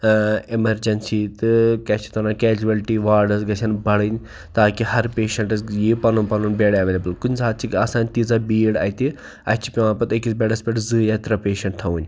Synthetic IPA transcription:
emɐɾd͡ʒɐnsiːt̪ɨkɛt͡ʃʰi̥t̪ʰɐnaːkɛːd͡ʒuʋɐlʈiʋaːɾɖɐzɡɐt͡ʃʰɐnbʱɐɽɨn | t̪aːkiɦɐɾpeːʃɐɳʈɐsjeːpɐnunpɐnuːnbeɽɐʋeːlɐbəlkʊnʲsaːt̪̚t͡ʃʰikɐsãːnʲt̪iːzaːbiːɽa̰ːjt̪i | ɐt͡ʃʰi̥pʲiʋãːpɐt̪ekisbʲeːɖɐspʲeʈzɨːjat̪ɾapeːʃɐ̃ɳʈt̪ʰɐʋuːnʲ

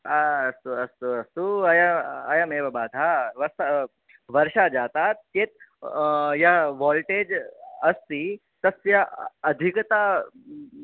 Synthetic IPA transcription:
aɐst̪uɐst̪uɐst̪uɐjaɐjameːʋɐbaːd̪ʱaʋɐst̪a | ʋɐɾʃad͡ʒaːt̪aːt̪ːeːt̪ | jaʋɔːlʈeːd͡ʒɐst̪i | t̪ɐsjaɐd̪ʱikt̪a

